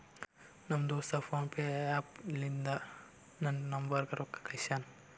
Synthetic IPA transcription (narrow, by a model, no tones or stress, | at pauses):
nɐmd̪oːst̪ɐpʰoːnpeːaːplind̪ɐ | nɐnnɐmʋɐɾɡɐɾokːɐ̥kɐjʃaːn